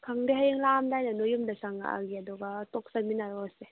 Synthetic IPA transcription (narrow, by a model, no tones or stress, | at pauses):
kʰaŋdeɦajeŋlamdajnanɔjumdasaŋa̰a̰ɡiadɔɡatɔk̚sanminaɾɔse